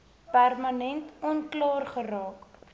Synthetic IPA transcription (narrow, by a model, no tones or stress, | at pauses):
pærmɐnɛntɔnklɑːrχəɾɑːk